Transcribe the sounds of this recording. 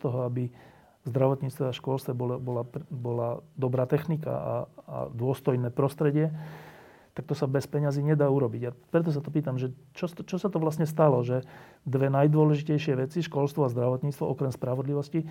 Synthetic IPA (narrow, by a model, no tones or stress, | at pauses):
t̪ɔɦɔabi | zd̪ɾaʋɔt̪ɲiːt͡st̪ʋɛaʃkɔlst̪ʋɛbɔlbɔlapbɔlad̪ɔbɾaːt̪ɛxnika̰a̰a̰d̪ʊɔst̪ɔjnɛːpɾɔst̪ɾɛɟɪɛ | t̪ak̚t̪ɔsabɛspɛɲaziɲɛd̪aːuɾɔbiɟapɾɛt̪̬ɔs̬at̪ɔp̬iːt̪amʒɛ | t͡ʃɔt͡ʃɔsat̪ɔʋlasɲɛst̪alɔʒɛ | d̪ʋɛnajd̪ʊɔlɛʒicɛjʃɪɛʋɛt͡siʃkɔlst̪ʋɔazd̪ɾaʋɔt̪ɲiːt͡st̪ʋɔʔɔkɾɛmspɾaʋɔd̪liʋɔsci